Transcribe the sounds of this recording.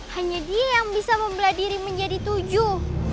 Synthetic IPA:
haɲadiajaŋbisaməmbəladiɾiməɲd͡ʒadit̪ud͡ʒʊh

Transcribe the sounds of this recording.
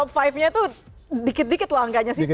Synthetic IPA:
ɔpfajfɲat̪u | dikɪt̪̚dikɪt̪laŋɡaɲasɪ

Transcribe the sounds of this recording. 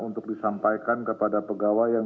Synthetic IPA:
unt̪ʊk̚disampajkankəpadapəɡawajaŋ

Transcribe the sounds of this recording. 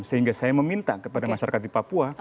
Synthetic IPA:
səɦiŋɡasajaməmint̪akəpadamaʃaɾakat̪̚ipapua

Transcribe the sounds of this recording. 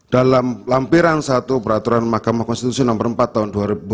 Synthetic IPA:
d̥alamlampiɾansat̪upəɾat̪uɾanmahkamahkɔnst̪it̪usiɔnɔmbəɾəmpat̪ːaɦunduaɾibu

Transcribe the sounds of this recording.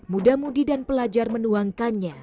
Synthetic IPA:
mudamudidanpəlad͡ʒarmənuaŋkanɲa

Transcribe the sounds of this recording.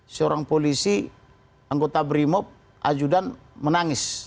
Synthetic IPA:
səoɾaŋpolisi | aŋɡot̪abɾimɔp̚ | ʔa̰d͡ʒudan | mənaŋɪs

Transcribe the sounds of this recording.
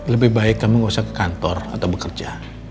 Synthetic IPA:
ləbɪhbaɪkːamiŋasakːə̥kant̪ɔra̰t̪awbəkərd͡ʒa

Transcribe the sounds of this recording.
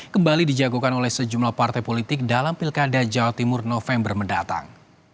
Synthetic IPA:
kəmbalidid͡ʒaɡukanolɛhsəd͡ʒumlahpart̪ajpolit̪ɪk̚dalampilkadad͡ʒawat̪imʊrnofɛmbərməndat̪a̰ŋ

